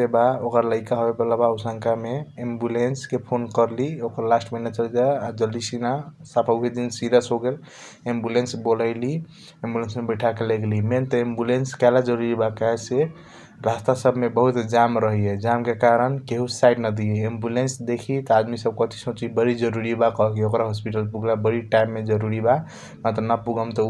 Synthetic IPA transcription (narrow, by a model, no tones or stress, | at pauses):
ebaokəɾləɪkaɦobebəlabausəŋkameembulenskepʰonkəɾliokəɾlasʈmənat͡ʃəld͡ʒaad͡ʒəlisinasapʰəubʱed̪insiɾəsɦoɡel | embulensbolaɪli | embulensmebəjʈʰakeleɡliment̪ɔembulenskɛlad͡ʒəɾuɾibakaɦɛse | ɾast̪asəbʱmebəɦut̪d͡ʒamɾəɦied͡ʒamkekaɾənkeɦusaɪɖnəd̪ieembulensd̪ekʰit̪ad̪misəb̚kət̪ʰi̥sõt͡ʃibəɾid͡ʒəɾuɾibakɔɦkiokɾaɦospiʈəlpuɡlabəɾiʈajmːed͡ʒəɾuɾiba | mat̪ɾənapuɡəmt̪ɔ